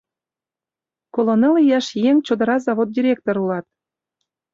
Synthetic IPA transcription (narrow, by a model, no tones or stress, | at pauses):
kolˠonelijɑʃjeŋʲt͡ɕod̪ɤ̆ɾɑzɑβot̪̚dʲiɾʲek̚t̪oɾulɑt̪